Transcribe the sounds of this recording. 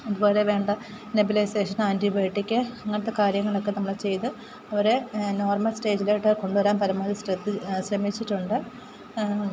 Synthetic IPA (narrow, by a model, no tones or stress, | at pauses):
iðuboːɾeʋe̞ːɳɖɐ | nobilɐjseːʂɐnaːntibeːʈːikʲːɨɐŋːɐɽɐt̪ːe̞kaːɾjɐŋːɐɭo̞kːe̞nɐmːɐɭt͡ɕe̞jt̪ɨ | ɐʋɐɾe̞no̞ːrmɐlsʈe̞ːd͡ʑileʈːeko̞ɳɖuʋɐɾaːmpɐɾɐmːaːlisrɐt̪ːiɕrɐmit͡ɕːiʈːuɳɖɨ